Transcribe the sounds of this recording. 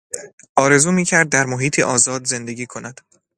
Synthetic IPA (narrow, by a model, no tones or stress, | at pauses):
ʔɒːɾe̞zuːmiːcʰæɾd̪̚ːæɾmoɦiːt̪ʰiʔɒːzɒːd̪ze̞nd̪e̞ɡiːkʰo̞næd̪̥